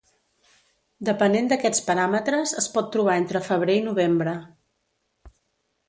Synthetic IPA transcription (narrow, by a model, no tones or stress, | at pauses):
d̪əpənend̪əkɛt͡spəɾamət̪ɾəzəspɔt̪ːɾuβ̞aent̪ɾəfəβ̞ɾeinuβ̞embɾə